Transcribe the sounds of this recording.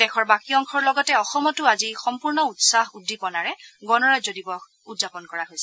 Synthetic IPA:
dɛxʰɔɹbakiɔŋkʰɔɹlɔɡɔtɛɔxɔmɔtʊazixɔmpuɹnɔutsahudːipɔnaɹɛɡɔnɔɹazodibɔk | udzapɔnkɔɹaɦojsɛ

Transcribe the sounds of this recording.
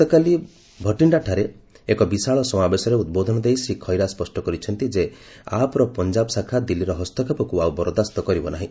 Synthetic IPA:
t̪ɔkali | bʱɔʈiɳɖaʈʰaɾeː | kɔbisaɭɔsɔmabesɔɾeud̪bod̪ʱɔnɔd̪ejsikʰɔjɾaspɔsʈɔkɔɾit͡ʃʰɔnt̪id͡ʒeapɔɾɔpɔnd͡ʒabɔsakʰad̪ilːiɾɔɦɔst̪ɔkʰapɔkuawbɔɾɔd̪ast̪ɔkɔɾibɔnaɦĩ

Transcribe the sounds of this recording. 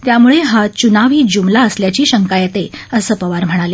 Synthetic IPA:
t̪jamuɭeɦat͡ɕunaʋiːd͡ʑumlaəsljat͡ɕiːɕəŋkajat̪eəsəpəʋaɾm̤əɽ̃ale

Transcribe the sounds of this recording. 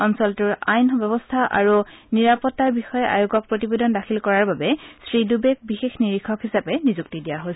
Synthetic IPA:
ɔnsɔltuɹa̰jnɔbɛbɔstʰaʔa̰ɹuniɹapɔtːaɹbixɔjɛʔa̰joɡɔk̚pɹotibedɔndaxʰilkɔɹaɹbabɛsɹidubek̚bixexniɹikʰɔkɦisapɛnizuk̚tidijaɦos

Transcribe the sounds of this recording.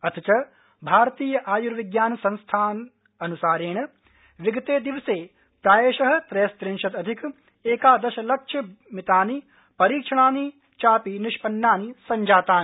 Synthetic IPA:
ɐt̪ʰit͡ʃɐ | bʱaːɾɐt̪iːjɐʔaːjuɾʋiɡjaːnsɐ̃nst̪ʰaːn | ɐnusaːɾeːɳ̃ɐ | ʋiɡɐt̪eːd̪iʋseː | pɾaːjeːʃɐɦɐ̆t̪ɾɐjɐst̪ɾiŋʃɐt̪ɐd̪ʱik | eːkaːd̪ɐʃɐlɐk̚ʃʰɐ | mit̪aːni | pɐɾiːkʂɐɳaːni | t͡ʃaːpiniʃpɐnːaːnisɐɲd͡ʒaːt̪aːni

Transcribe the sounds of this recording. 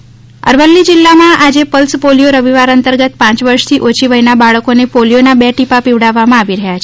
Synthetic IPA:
ə̰ɾʋəlːid͡ʒilːamãʔad͡ʒepəlspolijoɾəʋiʋaɾənt̪əɾɡət̪pãt͡ʃʋəɾʂt̪ʰiʔot͡ʃʰiʋəɦinabaɭəkonepolijonabɛʈipapiʋɽaʋːamãaʋiɾəɦjat͡ʃʰe

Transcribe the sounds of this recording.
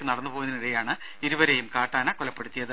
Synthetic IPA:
kːɨnɐɽɐnːɨpo̞ːɣunːiniɽejaːɳɨ | iɾuʋɐɾe̞jumkaːʈːaːnɐkɔlɐpːe̞ɽut̪ːijɐðɨ

